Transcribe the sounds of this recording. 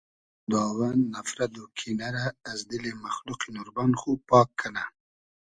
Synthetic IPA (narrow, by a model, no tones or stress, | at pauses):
d̪ɑːwanːafɾad̪okʰinaɾaːzd̪ilemaxluqinuɾbanxupɑːkːana